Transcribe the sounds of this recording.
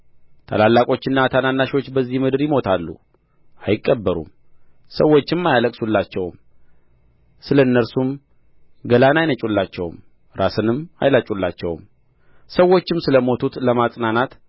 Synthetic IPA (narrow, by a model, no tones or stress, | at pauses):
t̪ʰa̰lalːakʼo̞t͡ʃːɪnːat̪ʰananːaʃwo̞t͡ʃːbəzːihmɨd̪ɨɾjɪmo̞t̪ʰalːṵ | ajɪkʼːəbːəɾṵm | səwːo̞t͡ʃːɪmːajaləkʼsulːat͡ʃːɛwm | sɨləɨnːəɾsum | ɡəlanajnət͡ʃʼulːat͡ʃːɛ̰wm | ɾasɨnɨma̰jlat͡ʃʼulːa̰t͡ʃːɛ̰w̰m | səwːo̞t͡ʃːɪmsɨləmo̞t̪ʰut̪ləmasʼnanat̪